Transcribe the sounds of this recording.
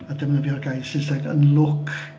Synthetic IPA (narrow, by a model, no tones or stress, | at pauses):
adəmnəviɔrɡajsɪsatə̰nlˠʊkʰ